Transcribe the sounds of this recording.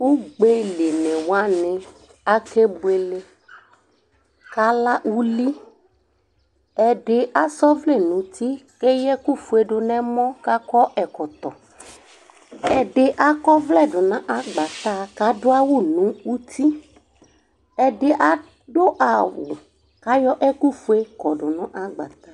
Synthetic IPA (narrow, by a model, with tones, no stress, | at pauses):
wu˦ɡ͡be˦le˨nɛ̃˨wa˦nɪ̃˨ | a˦ke˦be˨le˦ | ka˨˦la˦ʔu˦li˦ | ɛ˨ɖɪ˨ʔa˦sɔ˦vlɛ˦˨nũ˨t̪i˦ke˦jɛ˦ku˦fu˨e˨ɖʊ˨nɛ̃˦mɔ̃˦ka˦kɔ˦ʔɛ˨kɔ˨t̪ɔ˨ | ɛ˨ɖe˨ʔa˦kɔ˦vlɛ˦ɖʊ˨nã˦ʔa˦ɡ͡ba˨t̪a˦ka˨dʊ˦a˦wu˦nũ˨˦u˦t̪ʰi˦ | ɛ˨ɖe˨ʔa˨ | ɖo˦ʔa˨wṵ˨ | ka˨˦jɔ˦ʔɛ˦ku˦fu˦e˦kɔ˨ɖʊ˨nɔ̃˦ʔa˦ɡ͡ba̰˨t̪a˦